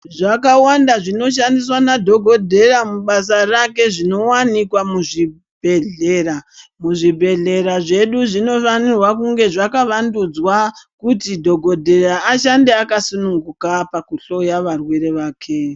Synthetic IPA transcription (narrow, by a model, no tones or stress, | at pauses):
ʐakawandaʐino̞ʃ̬andis̬wanadʱo̞ɡʱo̞dʱe̞ramuɓas̬arake̞ʐino̞wanikwamuʐi | bʱe̞ɮeːramuʐibʱe̞ɮe̞ɾaʐe̞ɗuʐino̞fanirwakuŋɡe̞ʐakaʋandud͡zwakutidʱo̞ɡʱo̞dʱe̞ɾaːʃandeakasunuŋɡukapakuɬo̞jaʋarweɾe̞ʋaːkʰe̞